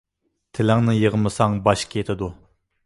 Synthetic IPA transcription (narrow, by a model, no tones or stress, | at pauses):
t̪ʰɪlɪŋnɨjəʁəmɨsɑŋbɑʃkʲʰjet̪ʰɪd̪u